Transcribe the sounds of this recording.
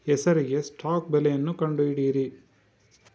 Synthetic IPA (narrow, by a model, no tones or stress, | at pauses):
ɛsɐɾiɡe̞sʈʰaːkbɛlejɐnːukɐɳɖuiɽiːɾi